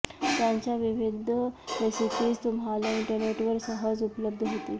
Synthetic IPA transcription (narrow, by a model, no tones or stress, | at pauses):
t̪jãɲt͡ɕjaʋiʋid̪ʱəɾesit̪iːt͡st̪umɦalaiɳʈəɾneʈʋəɾsəɦəd͡zupələb̚d̪ʱəɦot̪i